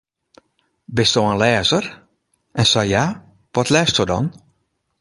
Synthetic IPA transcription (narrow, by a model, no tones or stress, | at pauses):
bɪstoənlɛːzər | ʔɛnsajja | ʋɔtlɛːstɔdɔ̰n